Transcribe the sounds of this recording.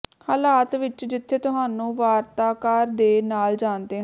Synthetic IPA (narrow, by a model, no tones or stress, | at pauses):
haːlaːt̪ʋɪt͡ʃd͡ʒɪt̪ʰːeːt̪ʊɦaːnũːʋaːɾt̪aːkaːɾd̪eːnaːld͡ʒaːnd̪eːɦ